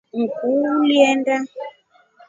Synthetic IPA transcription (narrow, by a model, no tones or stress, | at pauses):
ŋ̩kuliɛnda